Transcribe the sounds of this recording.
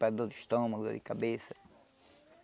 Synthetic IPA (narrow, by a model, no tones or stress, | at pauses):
pad̪od̪iʃt̪õmɐɡud̪o̰d̪ikabesɐ